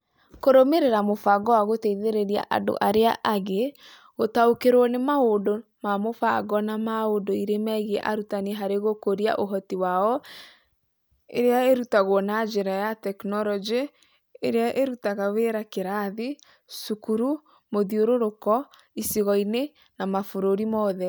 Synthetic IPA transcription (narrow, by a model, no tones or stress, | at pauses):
koɾomeɾeɾamofaɡɔwaɣoteiðeɾeɾia̰ʔa̰ndo̰ʔaɾeaʔaɣe | ɣotaokeɾonemaodomamofaɡɔnamaondoiɾemɛɣeʔa̰ɾutanɛɦaɾeɣokoɾia̰ʔoɦɔtiwaɔ | ḛɾeaeɾutaɣɔnad͡ʒeɾajatɛknɔɾɔd͡ʒeː | ɾeaʔeɾutaɣaweɾakeɾaði | sukuɾu | moðioɾoɾokɔ | isiɣɔine | namafoɾoɾimɔðɛ